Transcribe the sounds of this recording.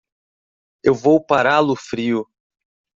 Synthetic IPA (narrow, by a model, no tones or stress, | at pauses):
ewvowpaɾalʊfɾiʊ